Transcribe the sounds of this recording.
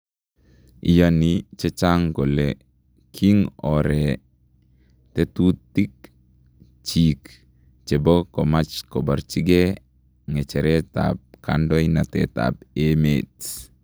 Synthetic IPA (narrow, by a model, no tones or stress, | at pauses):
ijanit͡ʃɛt͡ʃaŋɡɔle | kʰiŋɔɾɛ | tɛt̪ut̪ːik̚ | t͡ʃik | t͡ʃebɔkɔmat͡ʃkɔbaɾt͡ʃiɡe | ŋɛt͡ʃɛɾɛta̰p̚ka̰ndɔinatɛ̰ta̰pemet